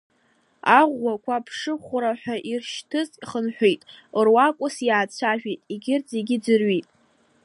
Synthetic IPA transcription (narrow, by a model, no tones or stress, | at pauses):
aʁʷːakʷʰapʰʂɨχʷʊɾaħʷᶣaʔirʃtʰɨziχənħʷᶣejtʼrwakʷʼʊsjaːt͡sʷʰaʒᶣejtʼiɡʲɪrd͡zʼeɡʲɪd͡zɨrɥijtʼ